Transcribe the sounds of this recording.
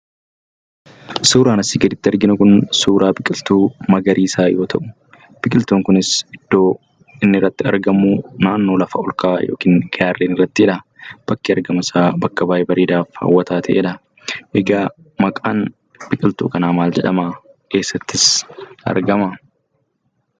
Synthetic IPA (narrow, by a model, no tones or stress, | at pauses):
suːɾaːnɐsiːɡɐd̪ɪt̪ːɪɐɾɡɪnʊkʊnsuːɾʔaːbɪkʼɪlt̪uːmɐɡɐɾʔiːsaːjoːt̪ʰɐʔʊ̥ | b̥ɪkʼɪlt̪uːŋkʊnɪsɪd̪̥ːo̞ː | ɪnːɪrːɐt̪ːɪɐ̰ɾɡɐmuːnaːnːo̞ːlɐfɐɔlkaːjo̰ːkiːŋɡɐjaːrleːnɪrːɐt̪ːɪɛᶑɐ | b̥ɐkːiɐɾɡɐmɐsaːbɐkːɐbaːʔeːbɐɾeːd̪aːfhɐ̰wːɐt̪aːt̪ʰɐʔeːᶑɐ | ʔɛɡaː | mɐkʼa̰ːn | b̥ɪkʼɪlt̪ṵːkɐnaːmaːld͡ʒɛᶑɐma | ke̞ːsːɐt̪ːɪsɐ̰ɾɡɐmɐ